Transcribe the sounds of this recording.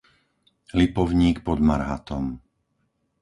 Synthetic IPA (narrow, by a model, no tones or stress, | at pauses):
lipɔʊɲiːkpɔd̪maɾɦa̰t̪ɔm